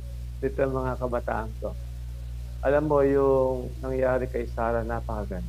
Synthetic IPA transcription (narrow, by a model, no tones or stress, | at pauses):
ɪt̪omɐŋakɐbɐt̪a̰ːʔɐnt̪o | ʔɐlamːo̞jʊŋnɐŋjaːɾɪkɐjsaːɾɐnapɐkɐɡɐn